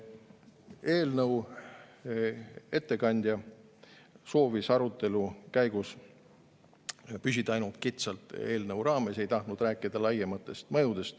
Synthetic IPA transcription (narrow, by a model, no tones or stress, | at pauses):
e̞ːlnɤw | e̞t̪ːe̞kɑnʲd̪̥ʲjɑ | so̞ːvisɑɾut̪ːˑe̞lukæjɡ̥us | pysʲid̪̥ɑjnult̪̚kit̪sɑlt̪ˑe̞ːlnɤwɾɑːme̞se̞jt̪ɑht̪nud̪ræːkːˑid̪̥ɑlɑjemɑt̪ːˑe̞st̪mɤjud̪̥e̞st̪